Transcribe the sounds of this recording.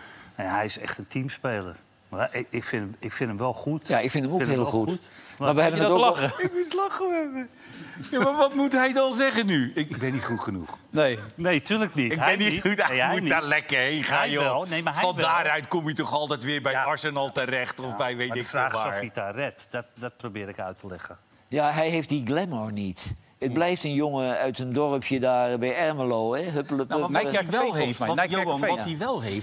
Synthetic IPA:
nejahɛjɪsɛ̰χtəntʰimspeːlˠə̰r | maɪɪkfɪnəɪkfɪntəmʋɛlˠxutjaɪkfɪntəmoɪnheːlˠlˠxumaʋəhɛənləɪkmutlɑxəɛə | jamaʋɔt̚mutɦɛjdɔnzɛɣənyɪkɡbɪnitχutχənṵxnejnejtyləknitɪɡbɛnimudlɛkəejχajonemafɔndaːrœɥtkɔmitɔχɑlˠtɛjtʋɪːɹbɛjɑɹsənɑlˠtərɛχtɔfbɛjʋejɪksoaːɹitarɛtdɔtdɔt̚probɪːɾɪkœ̰ɥtəlɛχə | jaɦɛjɦejftdiɡlɛmɔɹnit | ət̚blɛjftənjoŋəœɥtəndɔrəpʰjədaːrbɛjɛrməlowɛɦøpələpiɛlˠɦef | ɔtiʋɛlˠɦejft

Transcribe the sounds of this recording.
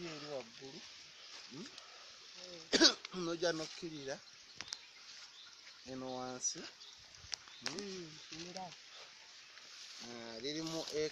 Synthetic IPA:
eliwaɡːulu | noɟanokːiɾiɾa | enowaːnsi | aliɾimuʔe

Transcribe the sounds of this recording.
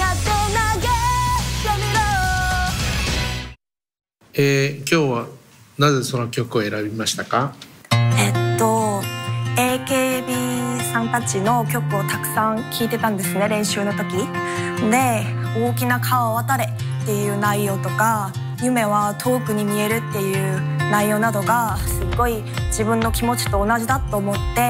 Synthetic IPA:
at̪onaɡejomiɾo | ekʲo̞ːβa | naze̞so̞no̞kʲo̞kɯ̟oe̞ɾabʲimaɕi̥t̪aka | e̞t̪ːo̞ | e̞ːke̞ːbʲisãnt̪at͡ɕino̞kʲo̞kɯ̟o̞t̪akɯ̟̥sãŋkʲʰiːt̪e̞t̪ãnd̪e̞sɨne̞ɾẽ̞ɰ̃ɕɨːno̞t̪o̞kʲid̪e̞ | oːkʲinakʰaβaβat̪aɾe̞ | t̪ːe̞jɯ̟ːnaijo̞ːt̪o̞ka | jɯ̟me̞β̞at̪ʰo̞ːkɯ̟ɲ̟imʲie̞ɾɯ̟t̪ːe̞jɯ̟ː | naijo̞ːnad̪o̞ɡasɨɡo̞i | d͡ʑibɯ̟̃nːo̞kʲimo̞t͡ɕi̥t̪o̞ːnaʑid̪at̪ːo̞ːmo̞t̪ːe̞

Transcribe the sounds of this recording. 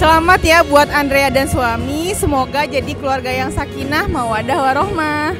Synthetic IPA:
səlamat̪jabuat̪andɾeadansuamisəmoɡad͡ʒadikəluarɡajaŋsakinahmauadahwaɾɔhmah

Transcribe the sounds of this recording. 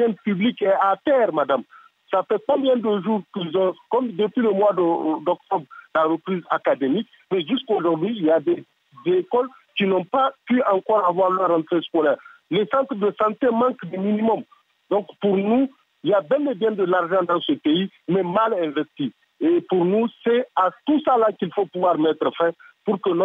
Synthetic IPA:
ɛ̃npyblikɛat̪ɛːʁmad̪am | safɛkɔ̃mbjɛ̃d̪əʒuːʁkilzɔ̃kɔmd̪əpɥiləmwad̪d̪ɔk̚t̪ɔbɾlaɾəpɾizakad̪emik | mɛʒyskoʒɔʁd̪ɥiːljad̪ɛ | zekɔl | kinɔ̃papyãŋkɔːɾavwaɾlœɾːãnt̪ɾeskolɛːʁlesɑ̃nt̪ɾd̪əsãnt̪emãŋkd̪əminimɔm | d̪ɔ̃ŋkpuɾnu | iljabjɛ̃lebjɛ̃d̪əlaʁʒɑ̃d̪ãsəpei | mɛmalɛ̃vɛst̪i | epuɾnusɛat̪usalakilfopuvwaɾmɛt̪ɾəfɛ̃puɾkənɔ

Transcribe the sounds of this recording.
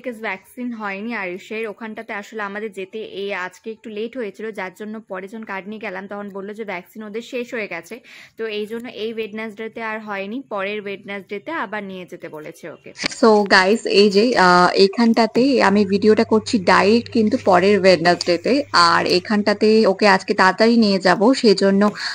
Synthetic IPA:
kesbɛksinɦɔeniaɾiʃeɾokʰanʈat̪eaʃoleamad̪eɾd͡ʑet̪eʔead͡ʑkeek̚ʈuleʈɦojet͡ɕʰilod͡ʑaɾd͡ʑonːopɔɾed͡ʑɔonkaɖ̚nijeɡɛlamt̪ɔkʰonbolːod͡ʑebɛksinod̪eɾʃeʃɦoeɡɛt͡ɕʰet̪oejd͡ʑonːoʔejweɖnesɖet̪eaɾɦɔenipɔɾeɾweɖnesɖet̪eabaɾnijed͡ʑet̪ebolet͡ɕʰeo̰kḛsoɡajsejd͡ʑeekʰanʈat̪ea̰mivʱiɖioʈakoɾt͡ɕʰiɖajɾek̚ʈkint̪upɔɾeɾweɖnasɖet̪eaɾḛkʰanʈat̪eokead͡ʑket̪at̪aɾinied͡ʑaboʃejd͡ʑonːo

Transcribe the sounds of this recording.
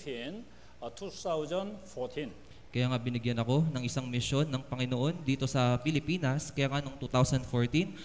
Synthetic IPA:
tʰin | t̪ʰut̪awzɐnfʰɔɹt̪ʰin | kɐjaːŋabɪnɪɡjanɐko̞nɐŋʔɪsaŋmɪʃjo̞nːɐŋpɐŋɪnoʔo̞nd̪iːt̪o̞sɐpɪlɪpiːnɐskɐjaːŋano̞ŋt̪uːt̪awsɐnd̪foɹt̪in

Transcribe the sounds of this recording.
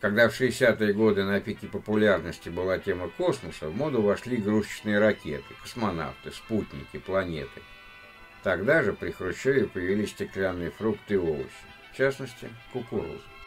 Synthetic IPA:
kɐɡd̪afʂɨɪsʲat̪ɨjəɡo̞d̪ɨnɐpʲikʲɪpəpʊlʲarnəsʲtʲɪbɨlˠatʲe̞məko̞sməsəvmo̞d̪ʊvɐʂlʲiɡɾuɕnɨjəɾɐkʲḛt̪ɨkə̥smɐna̰ft̪ɨsput̪ʲnʲɪ̰kʲɪplˠɐnʲe̞̰t̪ɨ | t̪ɐɡd̪aʐɨpɾʲɪxɾʊɕːovʲɪpəjɪvʲilʲɪsʲsʲtʲɪklʲanːɨjəfɾukt̪ɨɪo̞lˠə̰ɕɪ̥ft͡ɕasnəsʲtʲɪ̰kʊkʊɾo̰z

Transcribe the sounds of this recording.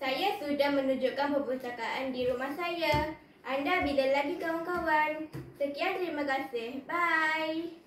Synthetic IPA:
sajasudahmənud͡ʒukanpəpəɾusakaʔandiɾumahsaja | ʔandabilalaɡikawaŋkawansəkiant̪əɾimakasɪhbaj

